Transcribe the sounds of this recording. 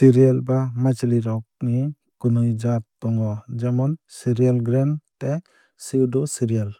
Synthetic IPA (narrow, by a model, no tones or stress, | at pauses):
tiɾialbamat͡ʃliɾɔk̚ni | kunujd͡ʒat̪ːɔŋwad͡ʒamɔnsiɾijalɡɾɛntɛk | siwdɔsiɾijal